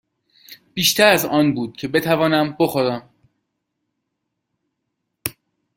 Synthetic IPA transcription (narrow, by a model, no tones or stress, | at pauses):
b̥iːʃt̪ʰæɾæzɒːnbuːd̪̥̚cʰe̞be̞t̪ʰævɒːnæmboxoɾæm